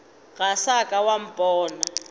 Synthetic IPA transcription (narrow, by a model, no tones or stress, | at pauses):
ɣasakʼawam̩pʼɔːna